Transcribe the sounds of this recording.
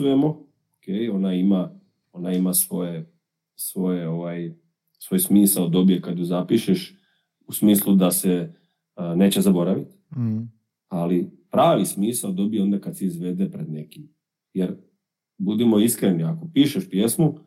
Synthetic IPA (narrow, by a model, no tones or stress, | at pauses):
ujemo̞ | okeːjo̞naima | o̞naimasʋo̞je | sʋo̞jeo̞ʋaj | sʋojsmiːsald̪o̞bijekad̪juzapiʃeʃ | usmiːslˠud̪ase | ne̞ːt͡ɕe̞zabo̞ɾaʋit̪ | alipɾaːʋismiːsald̪o̞bijeo̞nd̪akad̪seizʋe̞d̪epɾed̪nekim | jeɾ | bud̪imo̞iskɾeniako̞piːʃeʃpje̞smu